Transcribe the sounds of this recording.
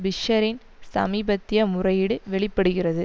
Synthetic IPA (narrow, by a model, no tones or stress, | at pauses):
bɪʂɐɾɪn | sɐ̰miːbɐt̪ːɪjɐmʊrɐjɪɽɯʋɛɭɪpːɐɽɯɣɪrɐðɯ